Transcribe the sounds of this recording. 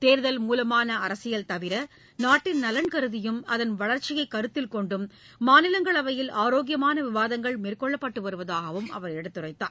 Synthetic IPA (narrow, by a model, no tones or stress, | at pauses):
t̪eːɾðɐlmuːlɐmaːnɐɐɾɐsɪjɐlt̪ɐʋɪɾɐ | naːʈːɪnnɐlɐnkɐɾɯðɪjɯmɐðɐnʋɐɭɐɾt͡ʃɪjɐɪkːɐɾɯt̪ːɪlkɔɳɖɯmː | aːnɪlɐŋɡɐɭɐʋɐjɪlʔaːɾoːɡɪjɐmaːnɐʋɪʋaːðɐŋɡɐɭmeːrkɔɭːɐpːɐʈːɯʋɐɾɯʋɐðaːɣɐʋɯmʔɐ̰ʋɐɾɛɽɐt̪ːɯrɐɪt̪ːa̰ː